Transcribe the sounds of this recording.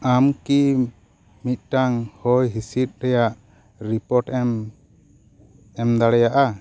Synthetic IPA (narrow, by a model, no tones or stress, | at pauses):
amki | mit̪̚ˀʈaŋhɔjɦisit̪̚ˀɾɛjaʔ | ɾipɔɾʈɛm | ɛmd̪aɽɛjaʔa